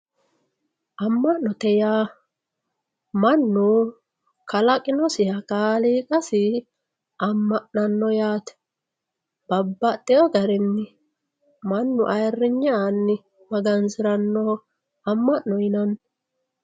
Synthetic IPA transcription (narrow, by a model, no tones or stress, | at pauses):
ʔɐmːɐʔnːɔt̪ɛjaː | mɐnːʊ | kɐlɐkʼɪnɔsɪjɐkʼaːliːkʼɐsɪ | ʔɐmːɐʔnɐnːɔjaːt̪ɛ̥ | b̥ɐbːɐt̪ʼːɛjɔɡɐɾɪnːɪ | mɐnːʊʔɐjɛrːɪɲːɐnːɪ | mɐɡɐnzɪɾɐnːɔ | ɐmːɐʔnːɔɪnɐn